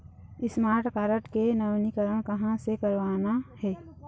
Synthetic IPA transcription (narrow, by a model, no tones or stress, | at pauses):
ɪsmaːɾʈkaːɾəʈkenɐʋnikəɾəɳ̃kɐɦãsekəɾʋaːnahɛː